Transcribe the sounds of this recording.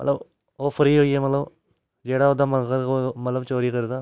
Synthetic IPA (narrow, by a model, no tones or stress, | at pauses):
mɐət̪ləb | opʰəɾiɦoːiɛmət̪ləb | d͡ʒeːɽaod̪aməkəɾkomɐt̪ləbt͡ʃoːɾikəɾd̪aː